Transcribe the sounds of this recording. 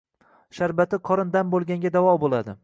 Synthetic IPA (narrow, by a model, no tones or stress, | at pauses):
ʃaɾbat̪ʰɪqʰɒɾɨnd̪anbolˠɡʲaŋɡʲad̪avɒbolˠad̪ɪ̰